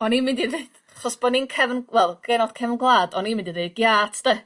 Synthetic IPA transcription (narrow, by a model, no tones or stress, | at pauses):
ɔnimɪndirejd̥aχɔsb̥ɔninkʰɛvənwɛlˠɡ̥ɛnɔd̥kʰɛvənɡlˠaːdɔnimɪ̃ndiðeːd̚ɡ̥jaːtʰd̥ə